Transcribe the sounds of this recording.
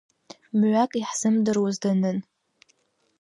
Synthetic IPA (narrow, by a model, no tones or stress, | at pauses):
mʕʷakʼiħz̥ɨmdɨrwazdanɨn